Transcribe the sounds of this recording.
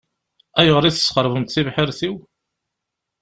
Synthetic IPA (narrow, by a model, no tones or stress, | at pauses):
æjʁəɾiθəsqəɾˤvəmt̪θivħəɾθiw